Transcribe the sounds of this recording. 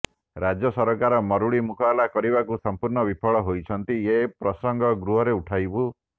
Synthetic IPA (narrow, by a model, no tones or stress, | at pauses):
ɾad͡ʒjɔsɔɾɔkaɾɔmɔɾuɭimukʰɔːlakɔɾibakusɔmpuɾɳɔbipʰɔɭɔɦojt͡ʃʰɔnt̪iepɾɔsɔŋɡʱɔɡɾuɦɔɾeuʈʰajbu